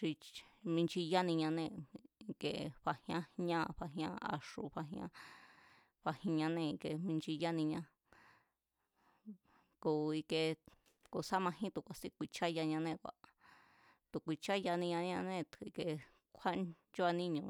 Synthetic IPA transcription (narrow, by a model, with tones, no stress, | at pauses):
ʂi˧mĩ˧nt͡ʃi˧ja˦nĩ˧ɲã˧nẽ˧˨i˧ke˨ɸa˧hj̃ã˦ɲã˦˧ɸa˧ɦj̃ã˦a̰˧ʂu˧˨ɸa˧ɦj̃ã̰˦ | ɸa˧hĩ˧ɲã˧nẽ˧i˧ke˧˨mĩ˧nt͡ʃi˧ja˦nĩ˧ɲã˧ | ko˨i˧ke˧ | ko˨sa˦mã˧ɦĩ˦t̪u˨kʷa˨si˦kʷi˧˨t͡ʃa˦ja˧ɲã˧nẽ˦˨kʷa̰˨ | t̪u˨kʷi˧t͡ʃa˦ja˧nĩ˧ɲã˧ɲã˧nẽ˦˧t̪i˧ke˧ | kʷʰa˦ | t͡ʃo˦a˧nĩ˦ɲũ˧